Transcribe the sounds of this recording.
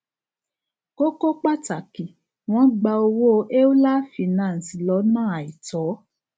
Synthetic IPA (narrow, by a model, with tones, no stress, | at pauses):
ko˦ko˦k͡pa˦ta˨ki˨ | w̃ɔ̃˦ɡ͡ba˧o˧wo˦˧ʔe˦o˦la˦fi˨˧˨nãː˦˨n̩˨si˨lɔ˨˦nãː˦˨a˨i˨tɔ˨˦